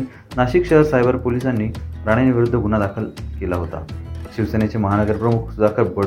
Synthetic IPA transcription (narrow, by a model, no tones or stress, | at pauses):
naɕikɕəɦəɾsajbəɾpolisanːiːɾaɽ̃eniʋiɾud̪ʱːəɡunad̪akʰəlkelaɦot̪a̰ɕiʋsenet͡ɕeməɦanəɡəɾpɾəmukʰd̪akʰəlbə